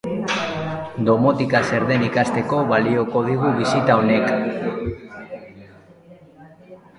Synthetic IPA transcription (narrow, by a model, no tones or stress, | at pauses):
d̪o̞mo̞t̪ikase̞ɾðe̞nikast̪e̞ko̞βalio̞ko̞ð̞iɣuβisit̪ao̞ne̞k